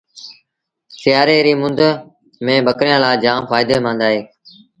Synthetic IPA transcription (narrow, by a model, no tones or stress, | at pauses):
sɪjaːɾeːɾiːmʊnd̪ | mẽːɓəkɾijãːlaːd͡ʒãːmfaːɪd̪eːmãːnd̪aːɦeː